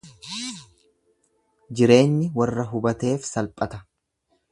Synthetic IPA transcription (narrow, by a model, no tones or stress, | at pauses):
d͡ʒɪɾe̞ːnːɪwɐrːɐɦʊbɐt̪e̞ːfsɐlpʼɐt̪ɐ